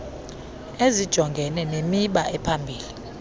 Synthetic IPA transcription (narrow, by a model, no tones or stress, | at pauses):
ezid̥ʒ̥ʱɔŋɡʱɛnɛnemiɓaʔɛpʰambʱiːli